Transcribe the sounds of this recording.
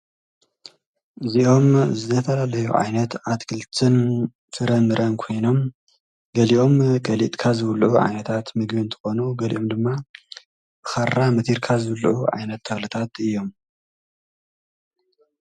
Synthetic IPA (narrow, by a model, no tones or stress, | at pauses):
ɨziʔo̞mzɨt̪ʰɐt̪ʰɐlalɐjṵʕa̰jnɐt̪ʕat̪kʰɨlt̪ʰɨn | fɨɾɐmɨɾʔɐnkʰo̞jno̞m | ɡ̥ɐliʔo̞mɡɐlit̪ʼkʰazɨwlʔuʕa̰jnɐt̪ʰat̪mɨɡβiɨnt̪ʰɨ̥xo̞nuɡɐlḭʔo̞md̪ɨmːa | bɨxarːamɨt̪ʰiɾkʰazɨwlʔuʕa̰jnɐt̪ʰːɐxlɨt̪ʰat̪ɨjːo̞m